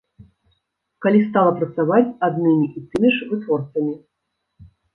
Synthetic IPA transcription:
kalʲist̪alˠɐpɾɐt̪savat͡sʲad̪nɨmʲiʔit̪ɨmʲiʂvɨt̪vɔrt̪sɐmʲi

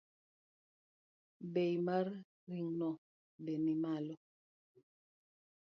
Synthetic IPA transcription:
bejmaɾ | ɾiŋnɔ | benimalɔ

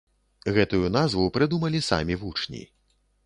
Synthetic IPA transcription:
ɣɛt̪ujun̪azvupɾɨd̪umɐlʲisa̰mʲivut͡ʂnʲḭ

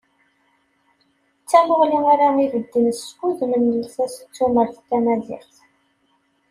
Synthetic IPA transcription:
t͡sːæməʁliŋaɾaivəd̪ːinskuðməməlθæsə̥t͡sːuməɾθkːænæd̪iʁθ

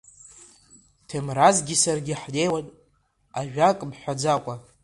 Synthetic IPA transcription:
tʰemrazɡʲisarɡʲiħlejwatʼ | aʒᶣakʼmħʷᶣad͡zakʷʼa

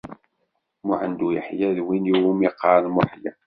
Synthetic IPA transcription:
mʊħənd̪ujəħjæðwiniwumiqːɑɾˤnmʊħjæ

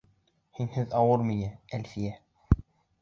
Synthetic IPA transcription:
hinhɘðɑwɤɾmijæælfijæ

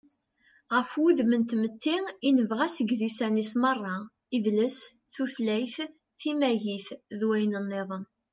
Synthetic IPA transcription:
ʁəfuðmənt̪mət̪ːiinəvʁæsəɡðisænismərˤːɑ | iðləs | θuθlæjθ | θimæʝiθðwæjnənːeðˤən

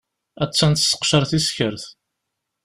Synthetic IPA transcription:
æt͡sːænt̪sə̥qʃəɾθisçəɾθ

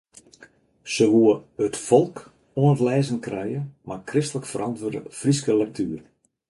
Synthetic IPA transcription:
səʋuəətfɔlˠk | oənətlɛːzənkrɛjəmakrɪstələkfəɾʔɑntʋərdə̰friskəlɛk̚tʰyːr

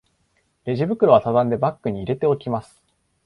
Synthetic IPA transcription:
ɾe̞ʑibɯ̟kɯ̟ɾo̞βasad̪ãnd̪e̞bakːɯ̟ɲ̟iːɾe̞t̪e̞o̞kʲimasɨ̥

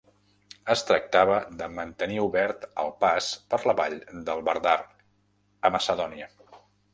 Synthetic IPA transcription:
əst̪ɾək̚t̪aβəðəmənt̪əniuβɛɾt̪ə̰lˠpaspəɾləβaʎd̪əlˠβə̰ɾðar | əməsəðɔniə

